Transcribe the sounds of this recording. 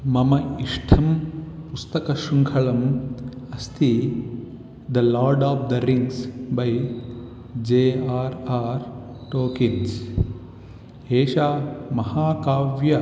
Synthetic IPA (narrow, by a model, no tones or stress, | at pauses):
mɐmɐiʂʈʰɐmpust̪ɐkɐʃuŋkʰɐɭɐmɐst̪ʰi | d̪ɐlɔːɾɖɔːʋd̪ɐɾiŋsbɐj | d͡ʒeːaːɾaːɾ | ʈoːkins | eːʃaːmɐhaːkaːʋjɐ